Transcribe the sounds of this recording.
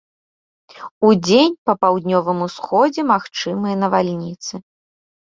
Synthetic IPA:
ud͡zʲenʲpɐpawd̪nʲɔvɨmusxɔd͡zʲɛmaxt͡ʂɨmɨjɐnɐvalʲnʲit̪sɨ

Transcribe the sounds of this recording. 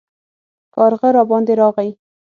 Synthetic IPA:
kɑɾɣaɾɑbɑnd̪eɾɑɣai

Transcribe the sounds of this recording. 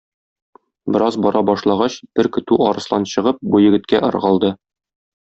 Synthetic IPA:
bɘ̆ɾɑzbɒɾɑbɒʃlˠɑʁɑɕb̥ɘɾkɵ̆t̪ʉɒɾɤ̆slˠɑnɕɤ̆ʁɤp̚bujɘ̆ɡɘ̆t̪̚kæʔɤ̆ɾʁɑlˠd̪ɤ

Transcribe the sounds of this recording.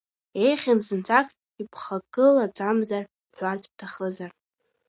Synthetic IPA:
ejχʲanzɨnt͡sʼakʰʼ | ipʰχakʼɨlad͡zʷʼamzar | ħʷᶣart͡sʰʼp̚tʰaχəzar

